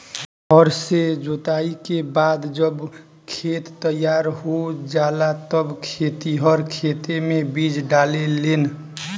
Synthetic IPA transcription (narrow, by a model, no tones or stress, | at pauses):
ɔɾsed͡ʒot̪aikebad̪d͡ʒəb | kʰet̪ːəjaɾɦod͡ʒalat̪əbkʰet̪iɦəɾkʰet̪emebid͡ʒɖalelen